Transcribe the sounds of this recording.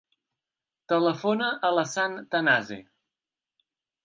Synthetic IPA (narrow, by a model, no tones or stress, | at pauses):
t̪ələfonəʔələsant̪ənazḛ